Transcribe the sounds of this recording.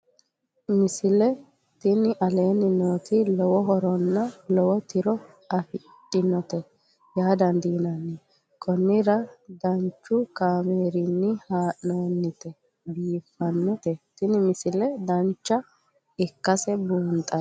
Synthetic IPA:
mɪsɪlɛ | t̪ɪnɪʔɐle̞ːnɪnoːt̪ɪlɔwɔɦɔɾɔnːɐlɔwɔt̪ɪɾɔ | ɐfɪ | tʼːɪnɔt̪ɛ | jaːd̪ɐnd̪iːnɐnːɪ | kʰɔnːɪɾɐd̪ɐnt͡ʃːʊkaːmeːɾɪnːɪhaːʔnoːnːɪt̪ɛ | biːfːɐnːɔt̪ɛt̪ɪnɪmɪsɪlɛd̪ɐnt͡ʃːɐ | ɪkːɐsɛbuːnt̪ʼɐ

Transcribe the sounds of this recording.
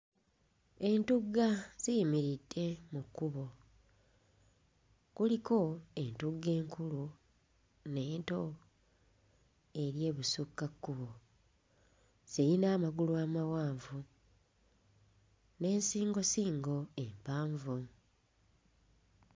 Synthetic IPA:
e̞ntuɡːaz̥ijimiɾitːe̞mukːuβo̞ | kuliko̞e̞ntuɡːe̞ːŋkʰulu | ne̞ːnto̞ | e̞ɾje̞ːβusukːakːuβo̞ | z̥iinaːmaɡuluaːmawaːɱvu | ne̞ːnsiːŋɡo̞siːŋɡo̞e̞mpaːɱvu

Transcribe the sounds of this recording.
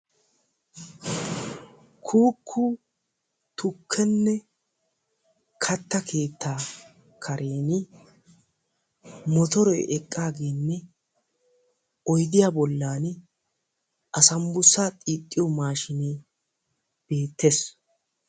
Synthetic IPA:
kʰuːkʰːʊ | t̪ʊkʰːɛnːɛ | kʰɐt̪ːɐkʰe̞ːt̪ːaː | kʰɐɾʔe̞ːnɪ | mɔt̪ɔɾɔjʔɛkʼːaːɡe̞ːnːɛ | ɔjd̪ɪjaːbɔlːaːn | ʔɐsɐmbʊsːaːt̪ʼiːt̪ʼːɪjɔmaːʃɪne | b̥e̞ːt̪ʰːes

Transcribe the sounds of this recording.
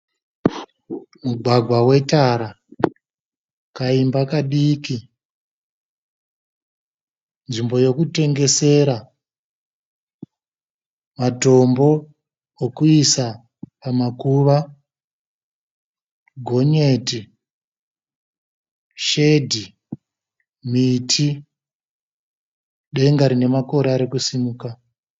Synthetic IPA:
muɡʱwaɡʱwawe̞taɾa | kaimbakaɗiːki | nʐimbo̞jo̞kute̞ŋɡe̞se̞ɾa | mato̞mbo̞ | okuisa | pamakuʋa | ɡʱo̞ɲeti | ʃe̞dʱi | mitʰi | ɗe̞ŋɡaɾine̞mako̞ɾeaɾekusimuːka

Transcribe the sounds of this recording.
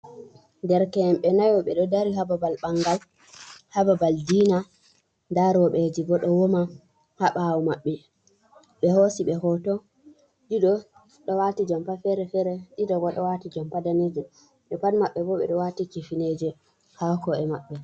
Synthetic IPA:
ndɛɾkɛɛmɓɛnajɔɓɛ̰ɗɔdaɾiɦababalɓaŋɡal | hababaldina | daɾɔɓed͡ʒibɔɗɔwɔma | haɓawumaɓːɛ | ɓɛhosiɓɛɦɔtɔ | ɗiɗɔ | ɗɔwatid͡ʒɔmpafɛɾɛfɛɾɛɗiɗɔɡɔɗɔwatid͡ʒɔmpadaned͡ʒu | ɗɛpanmaɓːɛbɔɓɛ̰ɗɔwatikifined͡ʒɛ | hakɔɛma̰ɓːɛ

